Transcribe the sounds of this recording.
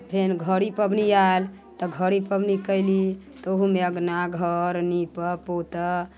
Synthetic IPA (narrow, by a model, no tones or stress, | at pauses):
pʰenɡʱəɾipəbnial | t̪ɔɡʱəɾipəbnikəɪli | t̪oɦumeəɡnaɡʱəɾnipəpot̪ə